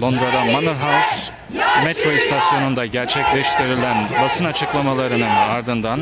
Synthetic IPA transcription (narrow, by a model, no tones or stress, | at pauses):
lˠo̞nd̪ɾad̪amanɯɾɦals | met̪ɾo̞ist̪ʰasjo̞nund̪aɟæɾt͡ʃʰɛclʲɛʃt̪ʰiɾilʲænbasɯnat͡ʃʰɯklˠamalˠaɾɯnɯnaɾd̪ɯnd̪an